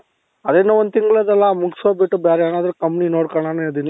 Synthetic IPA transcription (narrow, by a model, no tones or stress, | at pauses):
ɐd̪enːuond̪t̪iŋɡɐɭɐd̪ɐlːamuksʋabiʈːubjaːɾeeːnaːd̪ɐɾukɐmpninoːɽkɐɳaned̪ini